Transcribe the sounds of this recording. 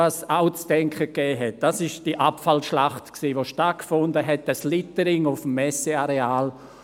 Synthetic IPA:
asaʊt͡sd̥ɛŋkʰəkɛːɦɛt̚d̥asɪʃd̥iʔapfalʃlaχtksiːvoʃtat̚kfʊndəɦɛtəslɪtəɾɪŋʊfm̩ːɛseaɾeaːl

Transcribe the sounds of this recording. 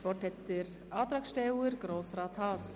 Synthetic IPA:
vɔʈhɛt̪əɾ | ʔɑːt̪ɾɑːksʃtɛwəɾɡɾoːsrɑːt̪hɑːs

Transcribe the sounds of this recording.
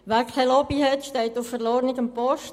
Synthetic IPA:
ʋæːkʰɛlɔbihɛtʃtɛɪt̪uffəɾlɔːɾnɪkəmpɔʃt

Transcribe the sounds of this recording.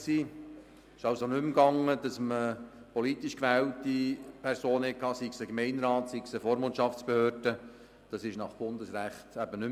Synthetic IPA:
siː | ɪʃɑʊsonʏmɡɑŋːəd̥ɑsmə | pɔlit̪iʃkʋæːltipʰɛɾsoːnhɛkʰɑːsiksəkmɛɪnɾɑːtsiksəfoːɾmontʃɑft͡sb̥ehøːɾd̥ə | d̥ɑsɪʃnɑχb̥ʊnd̪əsɾæχtæb̥ənʏ

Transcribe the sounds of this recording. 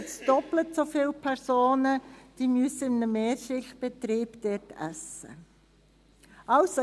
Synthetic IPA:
t͡sd̥ɔplətsofɪːlpʰɛɾsoːnəd̥iːmysəɪmnəmeːʃɪxb̥ɛt̪ɾiːbd̥ɛːtæ̰sə̰ | ʔɑlso

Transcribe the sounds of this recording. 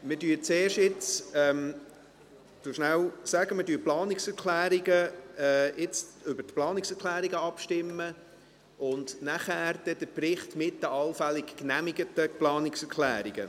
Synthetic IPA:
mɪdyːt͡seːɾʃɪt͡sɛm | d̥uʃnæwsæɡəmɪdyəplɑːnɪksɛɾkʰlæːɾiɡəɛɪt͡sʏbəɾtplɑːnɪksɛɾkʰlæːɾiɡəɑpʃtɪmːə | ʔʊnd̪næχæːɾd̥̪ɛd̥̪əɾpɾɪχt̪mɪt̚dəɑlfælːɪkknæmiɡətəplɑːnɪksɛɾkʰlæːɾiɡə̰

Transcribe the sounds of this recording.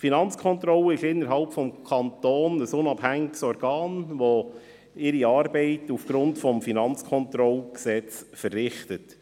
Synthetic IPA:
finɑnt͡skʰɔnt̪ɾɔlːəɪʃɪnːəɾɦɑlpfɔmkʰɑnt̪oːnəsʊnɑbhæŋɪɡsɔɾɡ̥ɑːnʋo | ɪɾiɑːɾbɛɪtufɡ̥ɾʊntfɔmfinɑnt͡skʰɔntɾɔlksɛt͡sfərːɪχtət

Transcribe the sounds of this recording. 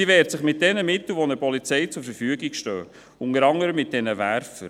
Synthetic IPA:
iʋɛːɾtsɪχmɪt̚d̥ɛnəmɪt̪l̩ʋɔnəpɔlit͡sɛjt͡sʊɾfəɾfyəɡiɡʃtœː | ʊŋəɾɑŋəɾəmːɪt̚d̥ɛnəʋæɾfəɾ

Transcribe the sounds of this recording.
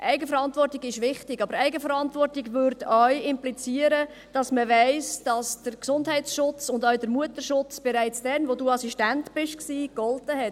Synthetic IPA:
ʔæɪɡəfəɾɑntvʋɔrtɪɡɪʃʋɪχtɪɡɑbəɾæɪɡəfəɾɑntvɔrtɪɡvʏɾdœɥɪmplit͡siːəɾə | d̥ɑsməʋæɪsd̥ɑsd̥əɾksʊndɦɛɪsʃʊt͡sʊndœʊdəɾmuətəʃʊt͡sb̥ɛɾæɪt͡sd̥ɛnʋoduːɑsiʃtæntb̥ɪʃksiːɡ̥ɔltəhɛ

